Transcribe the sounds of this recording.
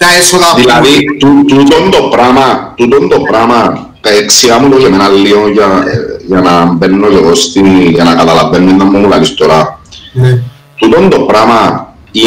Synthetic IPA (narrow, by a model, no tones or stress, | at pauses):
aesoad̪ilait̪ut̪ut̪ɔnd̪opɾamat̪ut̪̬ɔnd̪opɾama | keeksiamut̪okemenalːiojajanambenːɔkeɣost̪ijanakat̪alabenːenːamːoulalist̪oɾa | t̪ut̪ɔnd̪opɾama | i